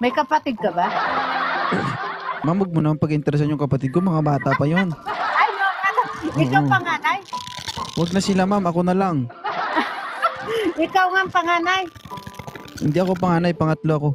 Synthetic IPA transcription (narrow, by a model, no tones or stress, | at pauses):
mɐjkɐpɐt̪ɪd̪̚kɐba | mamwaɡ̚monɐmanpɐɡʔɪnt̪ɛɾɛs̬anjʊŋkɐpɐt̪ɪd̪̚komɐŋabaːt̪ɐpɐjonʔajnoŋanoʔɪːkaopɐŋaːnaj | waɡ̚nɐsɪlamamɐko̞nɐlaŋ | ʔɪkawŋaŋpɐŋaːnaj | hɪ̰nd̪iʔɐko̞p̬ɐŋaːnajpɐŋɐt̪loʔɐko̞